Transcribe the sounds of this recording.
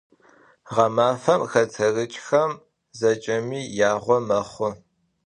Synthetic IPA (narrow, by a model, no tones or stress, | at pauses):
ʁɐmaːfɐmxɐt͡sʰɐrɨt͡ʃʼxɐm | zɐt͡ʃʼɐmiːjaːʁʷɔmɐχʷʊ